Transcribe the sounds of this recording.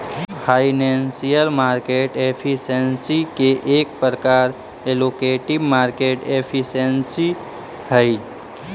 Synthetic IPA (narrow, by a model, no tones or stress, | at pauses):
pʰainensijəlmaːɾkeʈepʰisensikeʔeːk̚pəɾəkaːɾ | elokeʈibmaɾkeʈepʰisensi | həɪ